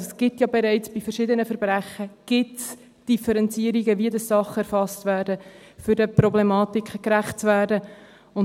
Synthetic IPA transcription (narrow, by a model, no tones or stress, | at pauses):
sɡ̥ɪtjɑbɛɾɛɪt͡sb̥ifəɾʃɪdənəfəɾb̥ɾæχəɡ̥ɪts | d̥ifəɾɛnt͡siəɾiɡəʋiədɑssɑχəɛɾfɑstvæːdəfʏdəprɔblɛmɑːtikχəkɾæχt̚t͡svæːrdə | ʊn